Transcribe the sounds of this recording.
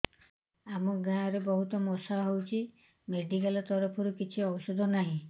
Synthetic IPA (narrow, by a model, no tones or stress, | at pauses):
amɔɡãɔɾebɔɦut̪ɔmɔsaɦowt͡ʃʰi | meɖikalɔt̪ɔɾɔpʰɔɾukit͡ʃʰiɔbɔsɔd̪ʱɔnaɦĩ